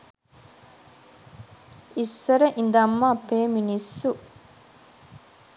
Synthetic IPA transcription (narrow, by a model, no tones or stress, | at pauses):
isːɐɾɐʔind̪ɐmːaːpeːminisːu